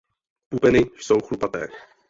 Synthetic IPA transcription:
pupɛnɪjsowxlupat̪ɛ̰ː

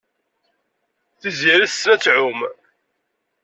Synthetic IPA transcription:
θiziɾəsɾæt͡sːʕʊm

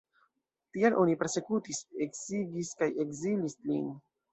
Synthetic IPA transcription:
tialʔo̞nipe̞ɾse̞kutise̞kziɡiskaje̞kzilislin

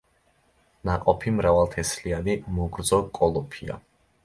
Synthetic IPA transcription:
naqʼɔpʰimɾavalˠt̪ʰɛslianimuɡɾd̪zɔkʼɔlˠɔpʰia̰

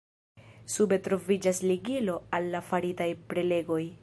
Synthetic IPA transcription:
sube̞tɾo̞vid͡ʒasliɡilo̞alːafaɾitajpɾe̞le̞ɡo̞j

